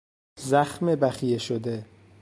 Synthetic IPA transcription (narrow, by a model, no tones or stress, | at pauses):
zæxmebæxijeʃod̪e